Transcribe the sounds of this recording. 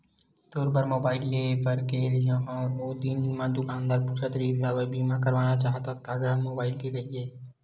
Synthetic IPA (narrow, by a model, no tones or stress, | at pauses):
t̪oːɾbəɾmoːbaːɪlːeːpəɾkɛɾijõɔ̃ɔːɾoːd̪inimãːd̪ukʰãːnd̪aːɾpʊt͡ʃʰət̪ɾiːzɦaʋebiːmãkɐɾʋaːnat͡ʃaːɦt̪askaːɡanmoːbaːɪlkeɡɐieː